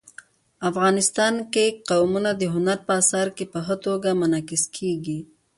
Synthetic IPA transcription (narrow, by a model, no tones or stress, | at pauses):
afɣɑnɪst̪ɑnkeqawmunad̪əɦʊnaɾpəasɑɾkepəɦət̪oɡamanɑkɪskʰeɡi